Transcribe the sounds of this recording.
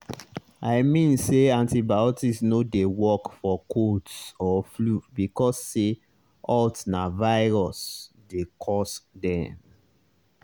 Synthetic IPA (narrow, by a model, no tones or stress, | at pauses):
aɪmĩnseãntibaɔtisnodewɔkfɔkʰotsɔflubikɔsːe | ɔltnavaɪɹɔs | dekʰɔsdɛ̃m